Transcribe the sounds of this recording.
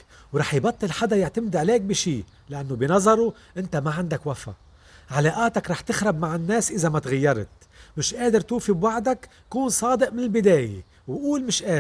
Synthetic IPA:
wɾˤɑːħjbɑt̪ˤːɨlħad̪ajɪʕt̪amɪd̪ʕaleːk̚biʃiː | lɪʔanːobinɑzˤɑɾˤu | ʔɪnt̪amaʕand̪akwafa̰ | ʕalaːʔaːt̪akɾˤɑːħt̪ɪxɾˤɑb̚maʕɪnːeːsʔɪzamat̪ɣajːɑɾˤt̪̚ | mɪʃʔeːd̪ɪɾt̪uːfibwaʕd̪ak | kuːnsˤɑːd̪ɪʔmɪnɪlbɪd̪eːjḛ | wʔuːlmɪʃʔaː

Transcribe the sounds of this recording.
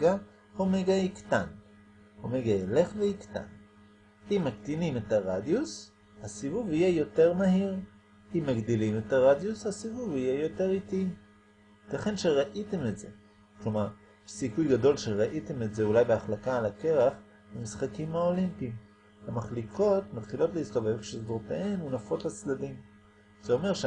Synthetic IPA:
ɡa | homeɡaiktan | homeɡaele̞χveikta̰n | imːaktinimetaʁadjus | hasivuvhijejo̞te̞ʁmahiʁ | imːaɡd̪ilimetaʁadjushasivuvijejo̞te̞ʁiti | taχe̞nʃeʁaʔite̞metze | klomaʁ | sikujɡado̞lʃeʁaʔitemetze̞ulajbeaχlakaːlake̞ʁaχ | bemisχakimaolimpim | hamaχlikʰo̞tmat̪χilo̞tlehisto̞ve̞vʃezdoʁteʔenunafo̞tlat͡sdadim | z̥eo̞me̞ʁʃ

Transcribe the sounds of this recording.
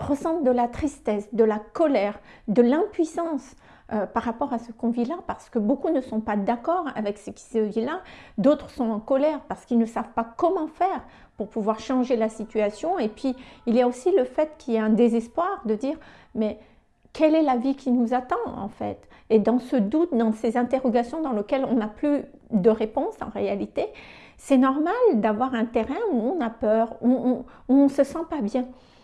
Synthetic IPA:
ʁəsɑ̃t̪d̪əlat̪χist̪ɛsd̪əlakɔlɛʁ | d̪əlɛ̃pɥisɑ̃s | øpaʁapɔʁasəkɔ̃vilapaʁsə̥kəbokunəsɔ̃pad̪akɔʁa̰vɛksəkʲi̥səvilad̪ot̪χsɔ̃ɑ̃kɔlɛʁpaʁsə̥kilnəsavpakɔmɑ̃fɛʁ | puʁpuvwaʁʃɑ̃ʒelasit̪yasjɔ̃epɥiilijaosiləfɛt̪kʲiljaɛ̃d̪ezɛspwaʁd̪əd̪iːʁ | mɛ | kɛlɛlavikʲʰinuzat̪ɑ̃ɑ̰̃fɛ̰t̪ | ed̪ɑ̃səd̪ut̪̚d̪ɑ̃sezɛ̃t̪eʁɔɡasjɔ̃d̪ɑ̃ləkʲɛlɔ̃naply | d̪əʁepɔ̃sɑ̰̃ʁealit̪e | sɛnɔʁmald̪avwaʁɛ̃t̪eʁɛ̃uɔ̃napœːʁuɔ̃uɔ̃səsɑ̃pabjɛ̃

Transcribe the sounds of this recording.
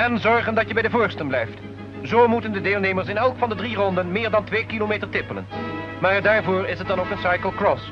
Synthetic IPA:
ɛnzɔɹχəndɑtjəbɛjdəvʊːɹstənblɛjft | zoːmutəndədeːlˠnejməɹs̬ɪnɛlˠkfɑndədrirɔndənmɪːɹdɑntʋeːkilomeːtəɹtɪpələ̰n | maːɹdaːɹvʊːɹɪsət̚dɑnoʊwkənsɑjkəlˠkrɔs

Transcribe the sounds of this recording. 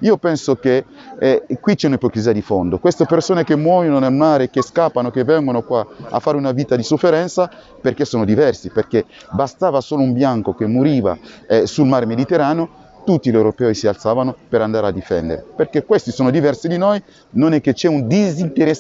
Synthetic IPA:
iːopɛnsoke | kwit͡ʃɛunaepokɾiziːad̪ifond̪okwest̪epersoːnekemːwɔjononelmaːɾekːeskapːanokevːɛŋɡonokwaa̰fːaːɾeunaviːt̪ad̪isofːeɾɛnt̪sa | perkesːoːnod̪ivɛrsiperke | bast̪aːvasoːloumbjaŋkok̟emːuɾiːva̰ɛsulmaɾemed̪it̪eɾaːneo | t̪ut̪ːilewɾopɛːisialt̪saːvanopeɾand̪aːɾead̪ifɛ̰nd̪ḛɾḛperkekːwest̪isoːnod̪ivɛrsid̪inoj | nonɛk̟ːet͡ʃɛund̪izint̪eɾɛ

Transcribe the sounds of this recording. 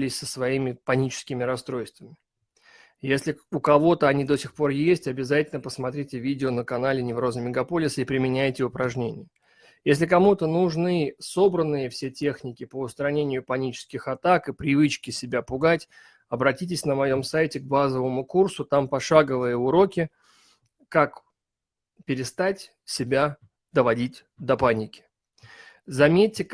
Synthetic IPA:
lʲɪsʲsəsvɐimʲɪpɐnʲit͡ɕɪ̥skʲɪmʲɪɾɐst̪ɾo̞jst̪vəmʲɪ | jesʲlʲɪʊkɐvo̞t̪əɐnʲid̪osʲɪxpo̞rjesʲtʲɐbʲɪzatʲɪlʲnəpəsmɐt̪ɾʲitʲɪvʲidʲɪonəkɐnalʲɪnʲɪvro̞zəmʲɪɡɐpo̞lʲɪsəipɾʲɪmʲɪnʲæjtʲɪʊpɾɐʐnʲenʲɪjə | jesʲlʲɪkɐmut̪ənuʐnɨso̞bɾənːɨjəfsʲetʲe̞xnʲɪkʲɪpəʊst̪ɾɐnʲenʲɪjʊpɐnʲit͡ɕɪ̥skʲɪxɐt̪akɨpɾʲɪvɨt͡ɕkʲɪsʲɪbʲapʊɡatʲ | ɐbɾɐtʲitʲɪsʲnəmɐjo̞msajtʲɪɡ̚bazəvəmʊkursʊt̪ampɐʂaɡəvɨjəʊɾo̞kʲɪ | kak | pʲɪɾʲɪst̪atʲ | sʲɪbʲa | d̪əvɐdʲit̚ʲ | d̪ɐpanʲɪkʲɪ̥ | zɐmʲet̚ʲːɪ

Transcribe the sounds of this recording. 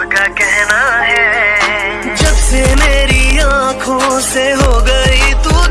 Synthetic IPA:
kakɛɦnaɦɛ | d͡ʒɐbsemeːɾiãːkʰõseɦoːɡɐit̪u

